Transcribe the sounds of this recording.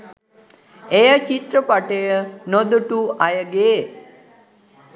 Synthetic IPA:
ejət͡ʃit̪ɾəpaʈejənod̪uʈuajəɡeː

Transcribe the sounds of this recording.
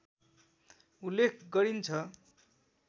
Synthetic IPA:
ulːekʰɡʌɾint͡sʰʌ

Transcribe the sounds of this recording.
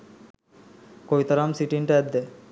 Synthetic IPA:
kojt̪ɐɾamsiʈinʈɐɛd̪ːe

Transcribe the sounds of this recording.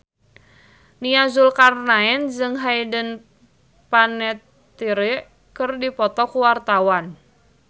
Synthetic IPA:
niazulkarnaɛnd͡ʒɨŋɦaidən | panɛt̪ː | iɾɛ | kɨrdipɔt̪ɔkuwart̪awan

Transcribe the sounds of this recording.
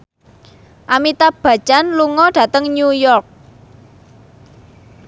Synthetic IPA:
ʔamit̪ab̥a̤̥t͡ʃanluŋɔɖ̥ä̤t̪əŋɲujɔrk̚

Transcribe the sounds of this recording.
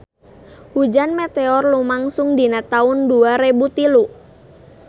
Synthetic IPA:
hud͡ʒanmet̪eɔrlumaŋsʊŋdinat̪aʊnduaɾebut̪ilu

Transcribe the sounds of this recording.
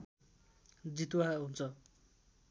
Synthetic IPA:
d͡zit̪waɦunt͡sʰʌ

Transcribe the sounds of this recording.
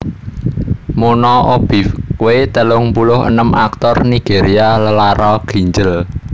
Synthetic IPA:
monɔʔob̥i̤fkuwet̪əlʊŋpulʊɦə̰nəma̰k̚t̪ɔrniɡ̥eɾialəlaɾɔɡ̥i̤ɲd͡ʒəl

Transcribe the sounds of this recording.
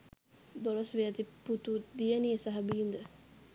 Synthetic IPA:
d̪olosʋeɐt̪iput̪ud̪ijɐnijesaɦɐbiːnd̪ə

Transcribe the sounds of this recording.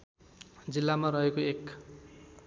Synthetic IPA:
d͡zilːamaɾʌɦekoek

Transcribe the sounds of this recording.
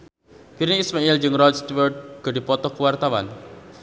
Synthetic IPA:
b̥iɾniːsmaild͡ʒɨŋrɔst̪wərd̚ɡ̥ɔ̤ɖipɔt̪ɔkuwart̪awan

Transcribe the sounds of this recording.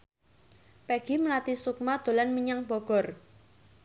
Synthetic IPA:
pɛɡ̥i̤mənat̪isuk̚mad̪̥o̤lanməɲaŋb̥ɔ̤ɡ̥ɔ̤r

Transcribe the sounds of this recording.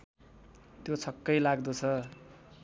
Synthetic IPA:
t̪jot͡sʰʌkːʌjlaɡd̪ut͡sʰʌ

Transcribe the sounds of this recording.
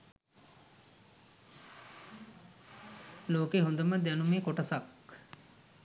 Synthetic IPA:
loːkeɦund̪ɐməd̪ænumeːkoʈɐsak

